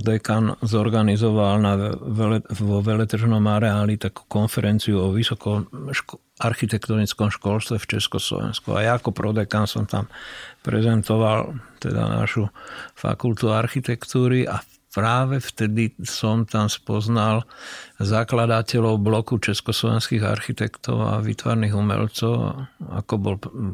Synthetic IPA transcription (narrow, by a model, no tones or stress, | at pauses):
d̪ɛkanzɔɾɡanizɔʋalnaɛʋɔʋɛlɛt̪r̩ʒnɔmaɾɛaːlit̪aku̥kɔnfɛɾʔɛnt͡siuɔʋisɔkɔmʃ | aɾxit̪ɛkt̪ɔnit͡skɔmʃkɔlst̪ʋɛft͡ʃɛskɔslɔ̰ʋɛ̰nskṵa̰jaːkɔpɾɔd̪ɛkansɔmt̪ampɾɛzɛnt̪ɔʋalt̪ɛ̰d̪a̰na̰ʃufa̰kult̪uaɾxit̪ɛkt̪uːɾiʔa | pɾaːʋɛft̪ɛd̪isɔmt̪amspɔznalzaklad̪acɛlɔʊblɔkut͡ʃɛskɔslɔʋɛnskiɣa̰ɾxit̪ɛkt̪ɔ̰ʊa̰ʋḭt̪ʋa̰ɾniɣumɛ̰lt͡sɔʊa̰kɔbɔl